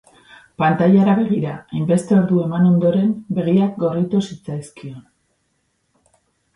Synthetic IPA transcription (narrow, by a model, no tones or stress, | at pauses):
pant̪ajaɾaβe̞ɣ̞iɾaajmbe̞st̪e̞o̞ɾðue̞mano̞nd̪o̞ɾe̞mbe̞ɣ̞iak̚ɡo̞rit̪usit͡sajskio̞n